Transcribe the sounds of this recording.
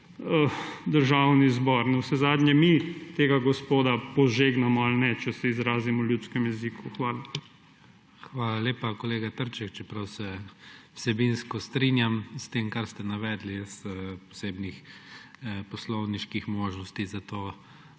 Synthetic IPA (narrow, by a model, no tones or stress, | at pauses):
əd̪əɾʒawnizbɔɾnɛwsɛzaːd̪ɲɛmit̪eːɡaɡɔspoːd̪apɔʒeɡnamɔalnɛt͡ʃɛsɛizɾaːzimɔljut̪skɛmjɛzikuxʋaːla | xʋaːlalʲeːpakɔleːɡat̪əɾt͡ʃɛkt͡ʃɛpɾawsɛwsɛbinskɔst̪ɾinjamst̪eːmkaɾst̪ɛnaʋɛd̪lispɔ̥seːbnix | pɔslɔwniʃkixmoːʒnɔst̪izat̪oː